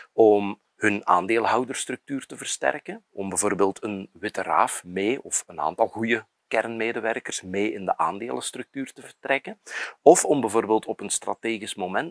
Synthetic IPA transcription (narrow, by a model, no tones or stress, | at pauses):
ɔm | hɵna̰ːndeːlˠɦʌwdərstrɵk̚tyːrtəvərstɛ̰rkənʔɔmbɛvoːrbeːlˠtʰənwɪtəra̰ːfmeːɔfəna̰ːntɑlˠɣujə | kɛrnmeːdəʋɛrkərsmeːɪndəʔaːndeːlˠəstrɵk̚tyːrtəvərtrɛkənɔfɔmbɛjvoːrbeːlˠtɔpənstrɑ̰teːɣismomɛn